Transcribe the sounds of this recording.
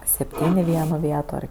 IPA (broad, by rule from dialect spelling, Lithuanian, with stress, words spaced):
sʲɛpʲˈtʲiːnʲ ɪ ˈʋʲiɛnoː ˈʋʲiɛtoː ˈɐr